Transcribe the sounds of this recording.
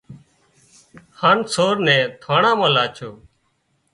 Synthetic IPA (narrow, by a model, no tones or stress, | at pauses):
haːnsoːɾnɛ̃ːt̪ʰaːɳãːmãːlaːt͡ʃʰoː